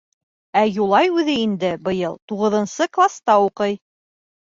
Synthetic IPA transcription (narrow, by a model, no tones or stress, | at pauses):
æjulˠɑjʉðɘind̪ɘbɤ̆jɤlˠt̪uʁɤ̆ðɤ̆nsɤklˠast̪ɑuqɤj